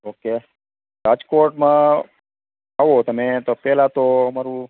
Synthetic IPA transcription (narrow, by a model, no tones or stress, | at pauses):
oːke | ɾaːd͡ʒkoːɾʈmãː | aʋot̪əmẽt̪opɛːlat̪oəmaɾũ